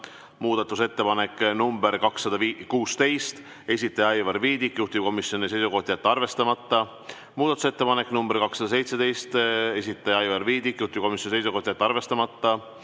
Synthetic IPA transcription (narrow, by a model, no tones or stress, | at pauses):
muːd̪̥ɑt̪ːˑuse̞t̪ːe̞pɑnekːˑnumbeɾkɑksːɑd̪ɑvkuːst̪e̞jst̪ | e̞sʲit̪ːˑɑjɑɑjvɑrviːd̪ikːjuht̪ib̚ko̞misjo̞nise̞jsuko̞ht̪ʲijat̪ːɑrve̞st̪ɑmɑt̪ˑːɑ | muːd̪ɑt̪u̥se̞t̪ːe̞pɑnekːˑnumbeɾkɑksɑd̪̥ɑse̞jt̪se̞d̪e̞jst̪e̞sʲit̪ːˑɑjɑɑjvɑrviːd̪ikːˑjuht̪ip̚ko̞misjonise̞jsuko̞ht̪ijɑt̪ːɑrve̞st̪ɑmɑt̪ˑːɑ